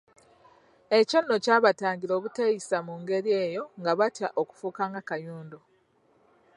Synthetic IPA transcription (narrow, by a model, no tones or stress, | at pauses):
e̞co̞nːocaːβataːɲɟilo̞ːβutejisamuŋɡe̞ɾie̞ːjo̞ŋɡaβatjaʔoku̥fuːkaːŋɡakajuːndo